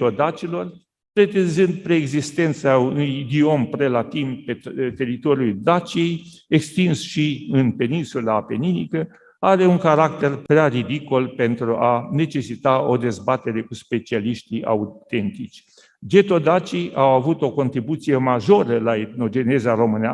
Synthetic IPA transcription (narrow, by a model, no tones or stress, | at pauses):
od̪at͡ʃilo̞r | p̪ɾe̞t̪enzɨnd̪̚pɾeːɡzist̪e̞nt̪saunujd̪io̞mpɾe̞lat̪impet̪e̞ɾit̪o̞ɾjuld̪at͡ʃie̞j | ekst̪insʃiɨnpe̞ninsulape̞ninikə | aɾe̞uŋkaɾak̚t̪e̞rpɾearid̪iko̞lpe̞nt̪ɾuʔane̞t͡ʃe̞sit̪ao̞d̪e̞zbat̪e̞ɾe̞kuspe̞t͡ʃialiʃt̪ia̰ut̪e̞nt̪it͡ʃʲ | d͡ʒe̞t̪o̞d̪at͡ʃiawavut̪o̞ko̞nt̪ɾibut̪sijemaʒo̞ɾəlaet̪no̞d͡ʒe̞ne̞zaɾo̞mɨnea̰